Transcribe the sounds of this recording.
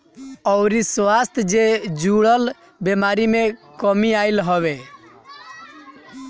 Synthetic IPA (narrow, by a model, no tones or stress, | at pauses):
ɔʊɾisʋast̪ʰd͡ʒed͡ʒuɽəl | bemaɾimekəmiaɪlɦəβe